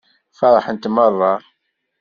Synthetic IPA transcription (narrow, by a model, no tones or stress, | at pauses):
fɑɾˤəħənt̪mərˤːɑ